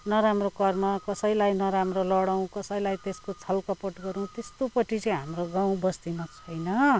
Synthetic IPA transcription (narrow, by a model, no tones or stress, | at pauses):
nʌɾamrokʌrmakʌsʌjlajnʌɾamrolʌɽaw̃kʌsʌjlajt̪eskot͡sʰʌlkʌpʌʈɡʌɾũt̪est̪opʌʈit͡sʌj̃ɦamroɡãw̃bʌst̪imat͡sʰʌjnʌ